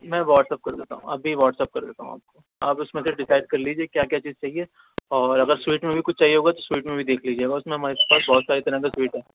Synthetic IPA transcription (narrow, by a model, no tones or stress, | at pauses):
mɛ̃ːʋɔːʈsɛp̚kɐɾd̪eːt̪a̰ːɦũɐbʱiʋɔːʈsɛːp̚kɐɾd̪eːt̪aːɦũa̰ːp̚ko | a̰ːpʊsmẽseɖɪsaːɪɖ̚kɐɾliːd͡ʒieːkjaːkjaːt͡ʃiːzt͡ʃaːɦieː | ɔːɾɐɡəɾswiːʈmẽbʱikʊt͡ʃʰt͡ʃaːɦiɦoːɡat̪oswiːʈmẽbʱid̪eːkʰliːd͡ʒieːɡaʊsmẽɦɐmaːɾeke̥paːsbɔːɔt̪saːɾit̪ɐɾə̃kaswiːʈɦɛː